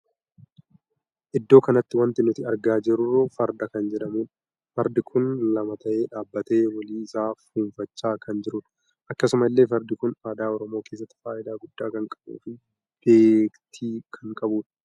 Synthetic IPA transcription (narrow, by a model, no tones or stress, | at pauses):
ʔɪd̪ːo̞ːkɐnɐt̪ːɪwɐnt̪ɪnʊt̪ɪɐɾɡaːd͡ʒɪɾʊroːfɐɾd̪ɐkɐnd͡ʒɛᶑɐmuːᶑ | fɐɾd̪ɪkʰʊnlɐmɐt̪ɐʔe̞ːᶑaːbːɐt̪e̞ːwɐliːɪsaːfuːɱfɐt͡ʃːaːkʰɐnd͡ʒɪɾʊᶑɐ̥ | ʔɐkːɐsʊmɐɪlːe̞ːfɐɾd̪ɪkʊnaːd̪aːɔɾɔmo̞ːke̞ːs̬ːɐt̪ːɪ̥faːʔɪd̪aːɡʊd̪̥ːaːkɐŋkʼɐ̥bṵːfɪ | b̥e̞ːkt̪ʰiːkʰɐŋkʼɐbuːᶑɐ̥